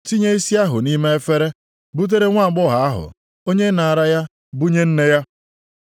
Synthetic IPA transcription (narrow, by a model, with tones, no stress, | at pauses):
ti˦ɲe˦i˦si˦a˦ɦʊ˨ni˦me˦e˦fe˦ɾe˦ | bu˦t̬e˦ɾe˦ŋʷa˦˨ɡ͡bɔ˦ɦa˨a˦ɦʊ̰˨ | o˦ɲe˦na˨ɾa˦ja˦ | bu˦ɲe˦n̩˦ne˦ja˦